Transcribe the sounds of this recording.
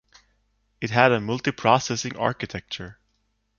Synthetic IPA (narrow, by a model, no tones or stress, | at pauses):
ɨt̚ɦæɾəmʌlˠtipʰɹ̥ɔsɛsɪ̃ŋʔɑ̰ɹkɨtʰɛk̚t͡ʃə˞